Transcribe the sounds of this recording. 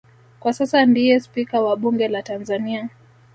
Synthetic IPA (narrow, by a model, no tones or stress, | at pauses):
kwasasandijɛspikawaɓuŋɡɛlatanzania